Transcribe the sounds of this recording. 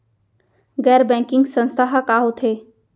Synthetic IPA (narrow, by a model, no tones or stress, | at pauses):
ɡɛːɾbɛ̃ːŋkɪ̃ŋɡsə̃nst̪ʰaɦakaːɦot̪ʰeː